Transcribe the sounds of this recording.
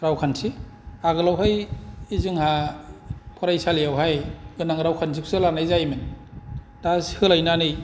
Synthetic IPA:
ɾawkʰansʰiaɡɯlawɦajizɯŋha | pʰɔɾajsalijawɦajɡɯnaŋɾawkʰans̬ʰikʰu̥sɯlanajzajmɯn | tasi̥hɯlajnanɯj

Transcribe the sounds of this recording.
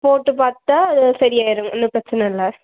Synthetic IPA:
poːʈːɯpaːɾt̪ːaːɐðɯsɐɾɪjaːɪɾɯŋɡɛnːɯpɾɐt͡ʃːɐnɐɪlːɐ

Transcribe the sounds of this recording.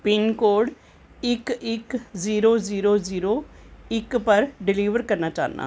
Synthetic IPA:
pɪnkoːɖ | ɪkɪkziːɾoːziːɾoːziːɾoːɪkpəɾɖɪliːʋəɾkəɾnaːt͡ʃa̰ːnʔa̰ː

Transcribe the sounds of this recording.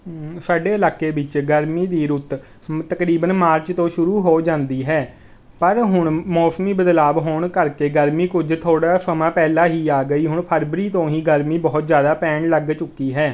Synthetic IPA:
saːɖeːəlaːkːeːbɪt͡ʃɡəɾmiːd̪iːɾʊt̪ | t̪əkɾiːbənmaːɾt͡ʃt̪õːʃʊɾuːɦoːd͡ʒãːnd̪iːɦɛː | pəɾɦʊɳmɔːsmiːbəd̪laːbɦoːɳkəɾkeːɡəɾmiːkʊd͡ʒt̪ʰoːɽaːsəmãːpɛːlaːɦiːaːɡəiːɦʊɳpʰəɾbɾiːt̪õːɦiːɡəɾmiːbɔːt̪zjaːd̪aːpɛ̃ːɳləɡt͡ʃʊkːiːɦɛː

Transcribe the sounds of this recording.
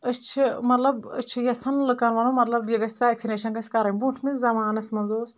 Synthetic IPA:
ɐt͡ʃʰimɐt̪lɐbɐ̰t͡ʃʰijɐsɐnlɨkɐnʋɐnomɐt̪lɐbjiɡɐsʲt̪aːeksʲineːʃɐnkɐsʲkɐɾɐnʲbuʈʰmizzɐmaːnɐsʲmɐnzoːs

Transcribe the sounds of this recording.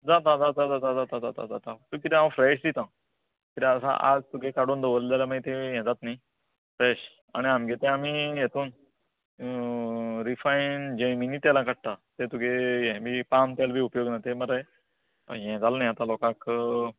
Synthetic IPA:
d͡zat̪ad͡zad͡zad͡zad͡z̪ad͡zat̪atat̪a̰d͡za̰t̪at̪ukit̪ɛ̃ãʋfɾɛɕ̬d̪it̪ã | kit̪ẽəsa̰ʔa̰d͡zt̪ukʰekaɽuːnd̪oʋəld̪alamait̪ẽjɛ̃d͡z̪at̪nai | fɾɛɕ | a̰ɽ̃iamɡet̪ẽamiːjet̪uːn | ɾifaind͡ʑeminiːt̪jalãkəɽ̚ʈ̪at̪et̪ukejɛ̃bʱiːpamt̪jalbʱiːupjoɡnat̪eməɾəj̰ | jɛ̃d͡zalnajat̪alɔkãk

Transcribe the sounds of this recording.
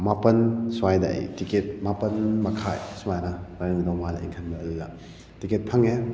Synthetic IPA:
mapɐnsuwajda̰jtiket̚mapɐnmɐkʰajsumajnɐbaɾɯŋdowmalḭŋkʰɐnmɐɐlːa̰ | tiket̚pʰɐŋe

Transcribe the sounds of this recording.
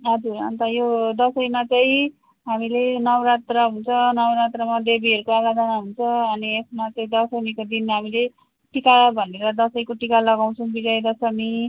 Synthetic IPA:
ɦʌd͡zuɾʌ̰nt̪ʌjod̪ʌsʌjmat͡sʌĩ | ɦamilenʌwɾat̪rʌɦunt͡sʰʌnʌwɾat̪rʌmad̪ebiɦʌɾukoaɡad̪ʱʌnaɦunt͡sʰʌʌniesmat͡sʌĩd̪ʌsʌmikod̪inmɦamile | ʈikabʱʌneɾʌd̪ʌsʌjkoʈikalʌɡaw̃t͡sʰʌw̃bid͡zʌjd̪ʌsʌmi

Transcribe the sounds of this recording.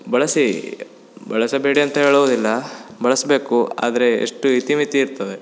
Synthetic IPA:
bɐɭɐsi | bɐɭɐsɐbeːɽiɐnt̪ɐɦe̞ːɭɐʋoːd̪ilːɐbɐɭɐsbeːkua̰ːd̪ɐɾe̞̰ːʂʈuit̪imit̪iːɾt̪ɐʋe

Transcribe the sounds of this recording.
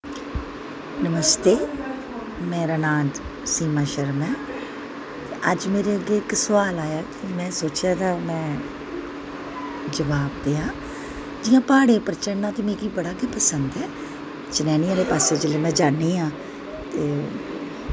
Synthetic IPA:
nəməst̪eː | mɛ̃ːɾənaːd͡ʒ̪siːmãːʃəɾəmɛ̃ː | t̪eːʔəd͡ʒmeːɾeːəɡeːɪksʋaːlaːjaːkimɛ̃ːsoːt͡ʃjaːd̪aːmɛ̃ː | d͡ʒəʋaːbd̪eːaː | d͡ʒɪjãːpaːɽeːpəɾt͡ʃəɳnaːt̪eːmɛ̃ːkiːbəɽaːɡeːpəsənd̪ɛː | t͡ʃɪnɛːnɪjãːɾeːpaːseːd͡ʒeleːmɛ̃ːd͡ʒaːnːiːãː | t̪eː

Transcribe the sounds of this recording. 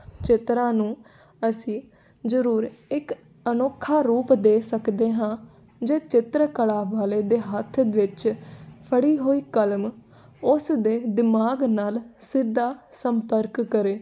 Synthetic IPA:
t͡ʃɪt̪ɾãːnũː | əsĩː | zəɾuːɾɪk | ənoːkʰːaːɾuːpd̪eːsəkd̪eːɦãː | d͡ʒeːt͡ʃɪt̪ɾəkəɽaːʋaːleːd̪eːɦət̪ʰʋɪt͡ʃpʰəɽiːɦoːiːkəlm | ʊsd̪eːd̪ɪmaːɡnaːlsɪd̪ːaːsəmpəɾkːəɾeː

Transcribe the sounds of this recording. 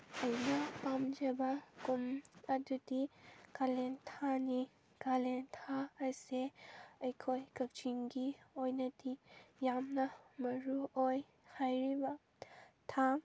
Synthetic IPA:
ɐjnɐpamd͡ʒɐbɐkumɐdudikalentʰani | kalentʰaɐseɐjkʰojkɐk̚t͡ʃiŋɡiojnɐdijamnɐmɐɾuoj | hajɾibɐ | tʰa

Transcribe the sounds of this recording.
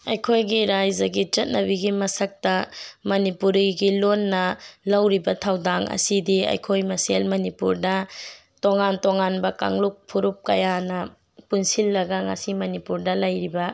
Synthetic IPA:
ɐjkʰojɡiɾajd͡ʒɐɡit͡ʃɐt̚nɐbiɡimɐsɐk̚tɐmɐnipuɾiɡilonːɐlɐwɾibɐtʰawdaŋɐ̰sidiɐ̰jkʰojmɐselmɐnipuɾdɐ | toŋantoŋanbɐka̰ŋluk̚pʰuɾup̚kɐjanɐ | punsilːɐɡɐŋɐ̰simɐnipuɾdɐlɐjɾibɐ

